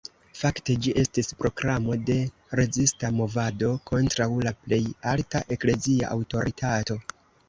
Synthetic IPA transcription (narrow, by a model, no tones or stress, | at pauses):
fakte̞d͡ʒiʔe̞stispɾo̞kɾamo̞de̞ | ɾe̞zistamo̞vado̞kʰo̞ntɾawlaple̞jaltaʔe̞kle̞zia̰ʔa̰wto̞ɾitʰato̞